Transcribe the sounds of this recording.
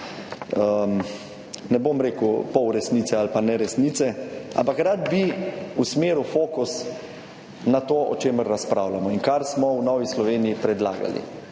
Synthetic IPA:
əm | nɛbomɾeːkupɔwɾɛsniːt̪sɛalpanɛɾɛsniːt̪sɛʔa̰mpakɾad̪biusmeːɾufoːkus | nat̪oːɔ̰t͡ʃeːməɾːaspɾaːwlamɔiŋkaɾsmɔwnɔːʋislɔʋeːnijipɾɛd̪la̰ːɡa̰lḭ

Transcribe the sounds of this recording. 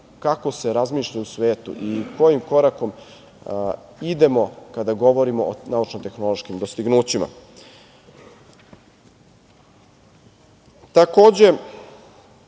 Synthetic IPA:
kako̞se̞ɾazmiːʃʎausʋeːt̪ṵʔiko̞jimko̞ɾako̞m | id̪e̞mo̞kad̪aɡo̞ʋo̞ɾimoʔo̰naut͡ʃnot̪e̞xno̞loʃkimd̪o̞st̪iɡnuːt͡ɕima̰ | t̪ako̞ːd͡ʑe̞

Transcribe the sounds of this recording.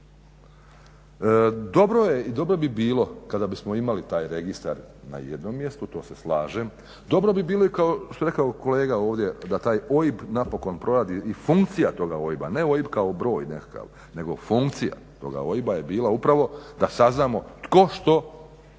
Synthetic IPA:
d̪o̞bɾo̞jeid̪o̞bɾo̞bibiːlˠo̞kad̪abismo̞imalit̪aːjɾe̞ɡist̪a̰ɾna̰jḛd̪nomːje̞st̪ut̪o̞ːse̞slˠaːʒem | d̪o̞bɾo̞bibiːlˠo̞ikaot̪oɾe̞kaoko̞leːɡao̞ːʋd̪je̞d̪at̪aːjo̞jibnapo̞ko̞npɾʔo̞ɾad̪iifuŋkt̪sijat̪o̞ɡao̞jiba̰ne̞o̞jibkao̞bɾo̞ːjnḛkḁka̰ʋ | ne̞ɡo̞̰fuŋkt̪sija̰t̪o̞̰ɡa̰o̞jibaje̞biːlaupɾaʋo̞d̪asaznaːmo̞t̪ko̞ʃt̪o̞

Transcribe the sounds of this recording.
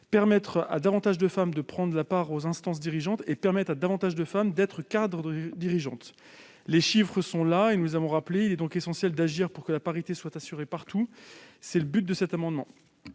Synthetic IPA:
pɛʁmɛt̪χa̰d̪avɑ̃t̪aʒd̪əfamd̪əpχɑ̃d̪ʁəlapaʁozɛ̃st̪ɑ̃s̬d̪iʁiʒɑ̃t̪epɛʁmɛt̪ad̪avɑ̃t̪aʒd̪əfamd̪ɛt̪χəkad̪ʁəd̪iʁiʒɑ̃t̪ | leʃifχəsɔ̃laenuzavɔ̃ʁapleilɛd̪ɔ̃kesɑ̃sjɛld̪aʒiʁpuʁkəlapaʁit̪eswat̪asyʁepaʁt̪ʰusɛləbyt̪̚d̪əsɛt̪amɑ̃d̪mɑ̃

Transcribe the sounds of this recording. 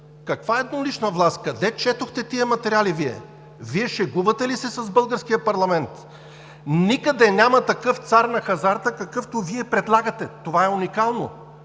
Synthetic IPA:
kɐkvaɛd̪noliʃnəvlˠast̪kɐd̪ɛt͡ʃɛt̪oxt̪ɛt̪iɐmɐt̪ɛɾialiviɛ̰ | viɛʃɛɡuvɐt̪ɛlisɛsɐzbɤlˠɡəɾsk̟ijəpɐɾlˠɐmɛnt̪ | nikɐd̪ɛnʲamɐt̪ɐkɤft̪saɾnɐxɐzaɾt̪əkɐkɤft̪oviɛpɾɛd̪lˠaɡət̪ɛt̪ovaɛunikalˠno̰

